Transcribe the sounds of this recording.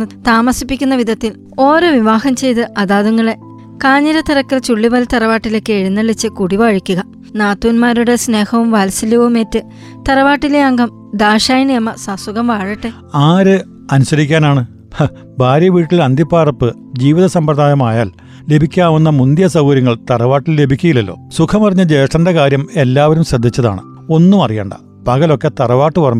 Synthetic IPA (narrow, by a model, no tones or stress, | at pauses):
ɨt̪aːmɐsipːikʲːunːɐʋid̪ʱɐt̪ːil | o̞ːɾo̞ːʋiʋaːhɐmt͡ɕe̞jt̪ɨʔɐðaːðuŋːɐɭe̞ | kaːɲːɐɾɐt̪ɐrɐkːilt͡ɕuɭːiʋɐlt̪ɐrɐʋaːʈːilekːeːɻinːɐɭit͡ɕːɨkuɽiʋaːɻikʲːuɣɐ | naːt̪ːuːnmaːɾuɽe̞sne̞ːhɐʋumʋaːlsilɐʋumeːtːɨ | t̪ɐɾɐʋaːʈːileɐŋɡɐm | d̪aːʂaːjɳijɐmːɐsasuɣɐmʋaːɻɐʈːe | aːɾɨ | ɐnusɐɾikʲːaːnaːɳɨ | bʱaːɾjɐʋiːʈːilɐnd̪ʱipːaːrɐpːɨ | d͡ʑiːʋiðɐsɐmprɐd̪ʱaːjɐmaːjaːl | le̞bʱikʲːaːʋunːɐmund̪jɐsɐwɡɐɾɐŋːɐɭt̪ɐrɐʋaːʈːilːe̞bʱikʲːujilːɐlːo̞̰ːsukʰɐmɐrɐɲːɐd͡ʑe̞ːʂɐndekaːɾjɐme̞lːaːʋɐɾumɕrɐd̪ʱːit͡ɕːɐða̰ːɳɨ̰ | o̞nːumɐrija̰ːɳɖɐ̰ | pɐɣɐlo̞kːe̞t̪ɐrɐʋaːʈːɨʋɐrɐm